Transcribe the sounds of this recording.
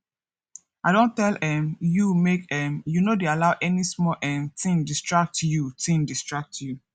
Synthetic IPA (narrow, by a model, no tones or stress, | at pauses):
aɪdõntɛlɛ̃mjumekɛ̃mjunodealaʊʔɛnismɔlʔɛ̃mtʰĩndistɹak̚tjutĩndistɹak̚tʰju